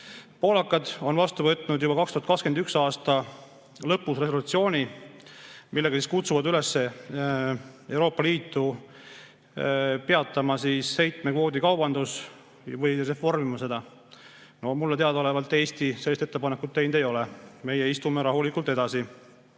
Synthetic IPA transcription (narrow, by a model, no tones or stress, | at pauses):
po̞ːlɑkːˑɑd̪o̞nvɑst̪uvɤ̞t̪ːˑnud̪jubɑkɑkst̪uhɑt̪kɑkske̞nd̪yksɑːst̪ɑ | lɤpːusre̞s̬o̞lut̪sio̞ːnʲi | milːe̞ɡ̥ɑsiskut̪suvɑd̪ylesːe̞ | e̞wɾo̞ːpːˑɑliːt̪ːu | pe̞ɑt̪ːˑɑmɑsiːsːe̞jt̪ˑmekvo̞ːd̪ikɑwbɑnd̪us | vɤjre̞fo̞rmimɑse̞d̪̥ɑ | no̞mulːet̪eɑd̪ɑolevɑlt̪ːˑe̞ːst̪ise̞lːist̪e̞t̪ːepɑnekːˑut̪ːejnd̪e̞jo̞lɛme̞jeist̪umeɾɑɦulikːˑult̪e̞d̪ɑsi